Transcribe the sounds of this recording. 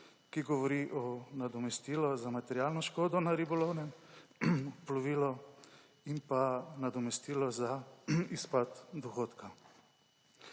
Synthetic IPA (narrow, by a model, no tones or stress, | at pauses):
kiɡɔʋɔɾiʔɔnad̪ɔmɛst̪iːlɔzamat̪ɛɾjaːlnɔʃkoːd̪ɔnaɾibɔlownɛ | plɔʋiːlɔ | impanad̪ɔmɛst̪iːlɔzaispat̪d̪ɔxoːt̪ka